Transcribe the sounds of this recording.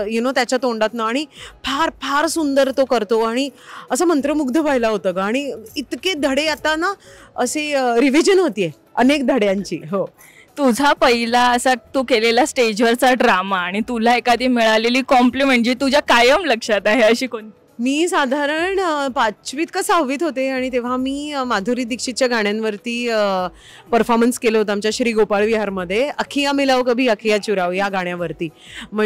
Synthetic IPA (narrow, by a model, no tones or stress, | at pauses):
jenot̪jat͡ɕat̪oɳɖat̪naːɽ̃ipʰaɾpʰaɾsund̪əɾt̪okəɾt̪oaɽ̃iəsamənt̪ɾəmuɡd̪ʱəpaɦjlaɦot̪əkaːɽ̃iit̪ked̪ʱəɽeat̪anaəseɾiʋid͡ʑənɦot̪ije | ənek̚d̪ʱəɽjaɲt͡ɕḭːɦo | t̪ud͡zʱapəɦilaəsat̪okelelasʈed͡ʑʋəɾt͡saɖɾamaːɽ̃it̪ulaekad̪iːmiɭaleliːkɔmplimeɳd͡ʑit̪ud͡ʑakajəmləkʂat̪aɦeəɕiːkoɳ | miːsad̪ʱaɾəɳpat͡ɕʋiːt̪kəsaʋiːt̪ɦot̪eaɽ̃it̪eʋ̤amiːmad̪ʱuɾiːd̪ikʂit̪t͡ɕjaɡaɽ̃janʋəɾt̪iːə | pəɾfɔɾmənskelot̪amt͡ɕjaɕɾiːɡopaɭʋiɦaɾməd̪ʱːjeəkʰijamilaʋkəbʱiːəkʰijat͡ɕuɾaʋjaɡaɽ̃jaʋəɾt̪iː | m̤ə